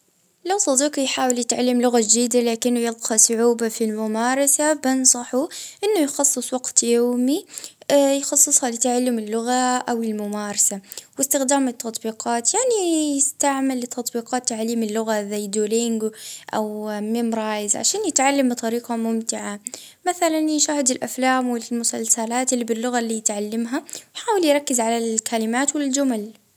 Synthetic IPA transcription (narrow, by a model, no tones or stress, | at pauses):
lawsˤɑd̪iːqjħaːwɪljɪt̪ʕalːɪmlʊɣad͡ʒd̪iːd̪alaːkɪnːʊjɪlqɑsˤʊʕuːbafilmʊmaːɾˤɑsabɪnsˤɑħuʔɪnːʊjxɑsˤːɨsˤwaɡt̪joːmi | jxɑsˤːɨsˤhalɪt̪aʕalːɪmɪlːʊɣaʔawɪlmʊmaːɾˤɑsawɪst̪ɪxd̪aːmɪt̪ʰːɑt̪ˤbiːqɑːt̪jaʕnijɪst̪aʕmɪlːɪt̪ʰːɑt̪ˤbiːqɑːt̪ːaʕaliːmɪlːʊɣazajd̪uːlɪŋɡʔa̰wmɪmɾˤɑːjzʕa̰ʃaːnjɪt̪ʕalːambɨt̪ˤɑɾiːqamʊmt̪ɪʕa | maθalanʃahɪd̪ɪlʔaflaːmwɪmʊsalsalaːt̪ɪlːibɪlːʊɣalːijɪt̪ʕalːamɦawjħaːwɪljɾˤɑkːɪzʕalalkʰalɪmaːt̪wɪld͡ʒʊmal